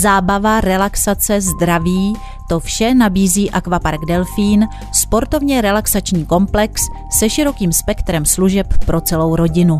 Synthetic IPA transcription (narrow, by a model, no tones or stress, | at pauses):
zaːbavaɾɛlaksat͡sɛzd̪ɾaviː | t̪o̞fʃɛnabiːziːʔakvapaɾɡdɛlfiːn | spo̞ɾt̪ovɲɛɾɛlaksat͡ʃɲiːko̞mplɛksː | ɛʃɪɾo̞kiːmspɛkt̪ɾɛmsluʒɛpːɾo̞t͡sɛlo̞wɾo̞ɟɪnu